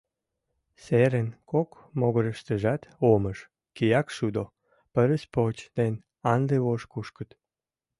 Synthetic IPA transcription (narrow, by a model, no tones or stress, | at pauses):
seɾənkok | moɣoɾəʃt̪əʒɑt̪oməʃ | kijɑkʃud̪o | pəɾəspot͡ɕd̪en | ɑnd̪eβoʃkuʃkət̪